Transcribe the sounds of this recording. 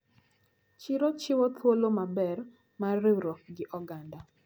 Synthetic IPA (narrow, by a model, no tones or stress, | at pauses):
t͡ʃiɾɔt͡ʃɪwɔt̪wolomabɛr | mareɾɔɡɪʔɔɡanda